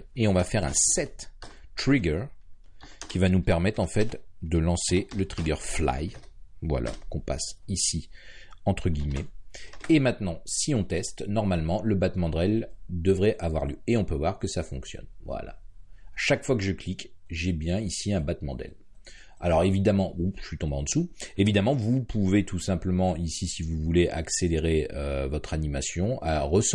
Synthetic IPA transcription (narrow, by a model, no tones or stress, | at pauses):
eɔ̃vafɛʁɛ̰̃sɛt̪ː | χiɡœʁ | kʲivanupɛʁmɛt̪χɑ̃fɛt̪d̪əlɑ̃selət̪χiɡœʁfla̰jvwa̰lʔa̰kɔ̃pa̰sisiɑ̃t̪χəɡʲimɛemɛ̃t̪nɑ̃siɔ̃t̪ɛst̪nɔʁmalmɑ̃ləbat̪mɑ̃d̪ʁɛld̪əvʁɛʔavwa̰ʁljøeɔ̃pøvwaʁkəsafɔ̰̃ksjɔ̰nvwa̰la̰ʃakfwakəʒəklikʒɛbjɛ̃isiɛ̃bat̪mɑ̃d̪ʁɛ̰l | alɔʁevid̪amɑ̃uʒə̥ʃɥit̪ɔ̃beɑ̃d̪əsuevid̪amɑ̃vupʰuvet̪ʰusɛ̃pləmɑ̃isisivuvuleʔakseleʁeøvɔt̪χanimasjɔ̃ʔa̰ʁəs